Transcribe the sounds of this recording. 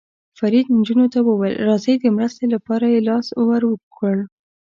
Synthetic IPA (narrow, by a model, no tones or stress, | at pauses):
faɾid̪nd͡ʒunot̪awəwelɾɑzəjd̪əmɾəst̪elapɑɾajelɑswaɾwəkʰəɽ